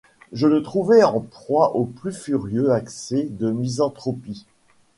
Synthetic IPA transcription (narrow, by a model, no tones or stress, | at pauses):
ʒələt̪χuvɛɑ̃pχwaʔoplyfyʁjøaksɛd̪əmizɑ̃t̪χɔpi